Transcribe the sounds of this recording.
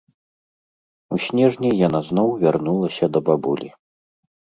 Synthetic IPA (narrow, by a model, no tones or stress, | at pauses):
usʲnʲɛʐnʲijanaznɔwvʲarnulˠɐsʲɐd̪ɐbabulʲḭ